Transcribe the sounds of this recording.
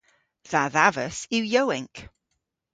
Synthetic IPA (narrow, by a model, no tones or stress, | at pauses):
ðaðavəsiwjowɪ̃ŋk